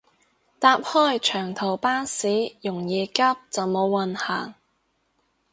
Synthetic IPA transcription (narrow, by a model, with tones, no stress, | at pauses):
t̪aː˧p̚hɔː˥˩jt͡ʃʰœː˨˩ŋt̪ʰo˨˩wpaː˥siː˨˥jʊ˨˩ŋjiː˨˧kɐ˥p̚t͡sɐ˨wmo˨˧wːɐ˨nhaː˨˩ŋ